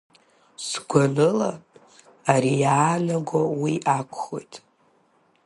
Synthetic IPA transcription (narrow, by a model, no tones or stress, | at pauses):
sɡʷanɨla | aɾijaːnaɡʷawiʔakʷʰʼχo̞jtʼ